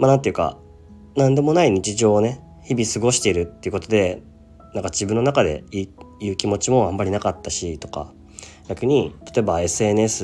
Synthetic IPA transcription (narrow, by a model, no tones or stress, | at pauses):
manãnt̪e̞jɯ̟ka̰ | nãnd̪e̞mo̞naiɲ̟it͡ɕiʑo̞ːne̞ | çibʲisɨɡo̞ɕi̥t̪e̞iɾɯ̟t̪ːe̞iɯ̟ko̞t̪o̞d̪e̞ | nãŋkad͡ʑibɯ̃nːo̞nakad̪e̞̰iːjɯ̟ːkʲimo̞t͡ɕimo̞ãmːaɾʲinakat̪ːaɕit̪o̞̥ka̰ | ɡ̥ʲakɯ̟ɲ̟it̪ḁt̪o̞ebae̞sɨe̞nɯ̟esɨ